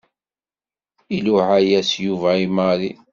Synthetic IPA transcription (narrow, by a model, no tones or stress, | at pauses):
iluʕajæsjuvæimaɾi